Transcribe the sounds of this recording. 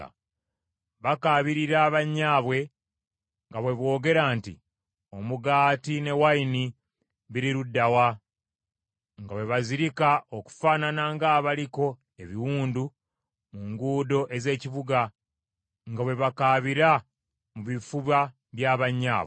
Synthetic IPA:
βakaːβiɾiɾaːβaɲːaːβwe̞ | ŋɡaβwe̞βwo̞ːɡe̞ɾaːntḭ | o̞muɡaːtine̞waini | βiɾiɾudːawa | ŋɡawe̞βaziɾikaoku̥faːnanaŋɡaːβaliko̞ | e̞βiwuːndu | muŋɡuːdo̞ʔe̞ze̞ːciβuɡa | ŋɡawe̞βakaːβiɾa | muβifuβa | βjaːβaɲːa̰ːβwe

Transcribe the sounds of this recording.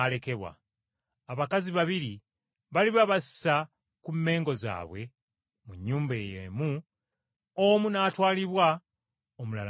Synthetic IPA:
le̞ke̞βwa̰ː | βakaziβaβiɾi | βaliβaβasi̥sa | kumːe̞ːŋɡo̞za̰ːβwe̞ | muɲːuːmbe̞ːjḛmu | omunaːtwaːliβwa | omulal

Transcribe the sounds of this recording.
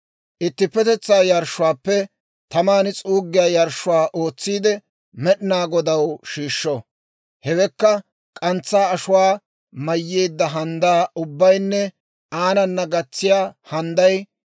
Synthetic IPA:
ʔɪt̪ːɪpːɛt̪ɛt͡sːaːjɐɾʃːʊwaːpːɛ | t̪ɐmaːnɪt͡sʼuːɡːɪjaːjɐɾʃʊwaːʔoːt͡sːiːd̪ɛ | mɛɗɪnaːɡɔd̪ɐwʃiːʃːɔ | hɛwɛkːɐ | kʼɐnt͡sːaːɐʃʊwaː | mɐjːe̞ːd̪ːɐɦɐnd̪aːʊbːɐjnːɛ | aːnɐnːɐɡɐt͡sːɪjaːhɐnd̪ɐj

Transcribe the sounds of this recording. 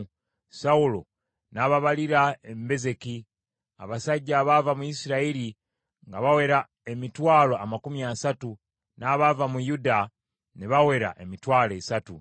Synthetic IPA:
saulo̞̰ | naβaβaliɾaembe̞ze̞ki | a̰βasaɟːaβavamuisiɾaiɾi | ŋɡaβawe̞ɾa | emitwaːloamakumjasatu | naβavamujuda | neβawe̞ɾa̰ʔe̞mitwaːle̞satu

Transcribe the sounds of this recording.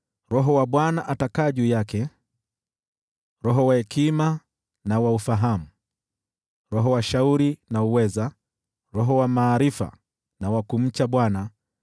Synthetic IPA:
ɾɔɦɔwaɓwanaʔatakaːʄuːjakɛ | ɾɔɦɔwahɛkima | nawaufaɦamu | ɾɔɦɔwaʃauɾinauwɛza | ɾɔɦɔwamaːɾifa̰ | nawakum̩t͡ʃaɓwana

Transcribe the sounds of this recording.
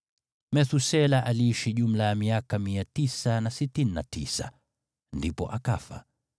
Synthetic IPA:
mɛθusɛlaʔaliːʃiʄum̩lajamiakamiatisanasitinnatisa̰ | ndipɔ̰ʔaka̰fa̰

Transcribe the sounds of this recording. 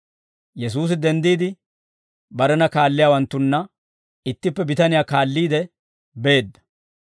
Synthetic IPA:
jɛs̬uːs̬ɪd̪ɛnd̪iːd̪ɪ | bɐɾɛnɐkaːlːɪjaːwɐnt̪ːʊnːɐ | ɪt̪ːɪpːɛbɪt̪ɐnɪjaːkaːlːiːd̪ɛ | be̞ːd̪ːɐ̥

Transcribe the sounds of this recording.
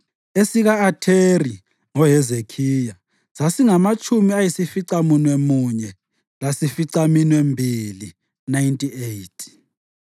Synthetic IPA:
esiɣaːtʰeri | ŋɔɦɛzekʰija | z̥asiŋamat͡ʃʰʼumiajisifiǀamunwemuɲɛ | lasifiǀaminwembʱili | najntʼiejtʰʼ

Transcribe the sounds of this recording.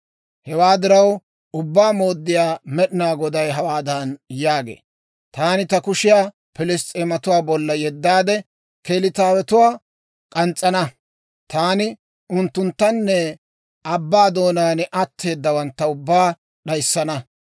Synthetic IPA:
hɛwaːd̪ɪɾɐw | ʊbːaːmo̞ːd̪ːɪjaːmɛɗɪnaːɡɔd̪ɐjɦɐwaːd̪ɐnjaːɡḛː | t̪aːnɪt̪ɐkʊʃɪjaː | pɪlɪst̪ʼeːmɐt̪ʊwaːbɔlːɐjɛd̪ːaːd̪ɛ | kelɪt̪aːwɛt̪ʊwaː | kʼɐnt͡sʼːɐnɐ | t̪aːnɪ | ʊnt̪ːʊnt̪ːɐnːɛ | ɐbːaːd̪o̞ːnaːnʔɐt̪ʰːe̞ːd̪ːɐwɐnt̪ːɐʊbːaː | ɗɐjsːɐnɐ

